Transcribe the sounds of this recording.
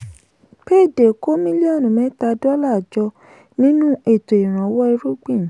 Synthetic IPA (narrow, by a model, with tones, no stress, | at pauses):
pe˦˨de˨ko˦mĩ˦li˦ɔ˦˨nũ˨mɛ̃˨˦ta˧dɔ˦la˦˨d͡ʒɔ˧ | nĩ˦nũ˦ʔe˦˨to˨i˨ɾ̃ã˨˦wɔ˦i˧ɾu˦ɡ͡bĩ˦˨